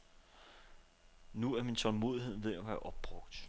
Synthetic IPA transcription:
nuæɐmint͡sʰɒ̽lmo̝ːð̞ˠiɦe̝ð̞̰ˠʋe̝ð̰ˠjaʋææɐʔɒ̽b̥̚ːʁɔ̽ɡ̥̚d̥

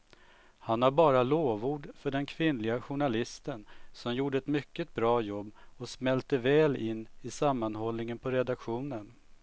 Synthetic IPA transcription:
hanaɾbɑːɾaloːvuːɖfœɖɛnkʰvɪnlɪɡaɧʊɳalɪst̪ənsɔmjuːɖəɛt̪mʏkːət̪̚bɾɑːjɔbːɔsmɛlt̪əvɛːlɪnːɪsamːanhɔlnɪŋənpʰɔɾɛd̪akɧuːnən

